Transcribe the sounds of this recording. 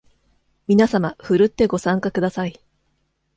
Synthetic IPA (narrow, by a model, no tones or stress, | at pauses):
mʲinasamaɸɯ̟ɾɯ̟t̪ːe̞ɡo̞sãŋkakɯ̟d̪asai